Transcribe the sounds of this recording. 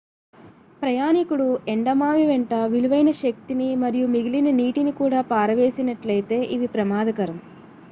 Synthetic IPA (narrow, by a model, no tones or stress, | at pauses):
pɾɐjaːnikuɽueɳɖɐmaːʋiʋeɳʈɐʋiluʋɐjnɐʃɐk̚t̪inimɐɾijumiɡilinɐniːʈinikuːɽaːpaːɾɐʋe̞ːsinɐʈlɐjt̪e̞ːʔiʋipɾɐmaːd̪ʱɐkɐɾɐm